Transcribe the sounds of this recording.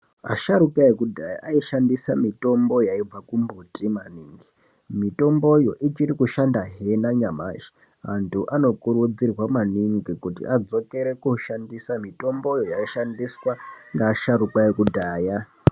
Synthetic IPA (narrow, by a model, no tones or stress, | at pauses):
a̰ʃaɾukajekudʱaja̰ʔaiʃandisamito̞mbo̞jaib͡vakumbutʼimaniŋɡi | mito̞mbo̞jo̞ʔit͡ʃirikuʃandaɦenaɲama̰ʃi̥ | mantʰuʔano̞kuɾud͡zirwamaniŋɡikutḭʔad͡zo̞ke̞ɾe̞kuʃandisamito̞mbo̞jo̞jaiʃandiswaŋɡaʃaɾukajekudʱaːja